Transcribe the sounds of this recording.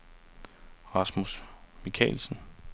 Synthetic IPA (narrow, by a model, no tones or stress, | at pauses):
ʁɑ̈smusmikʰɛ̰ːlsn̩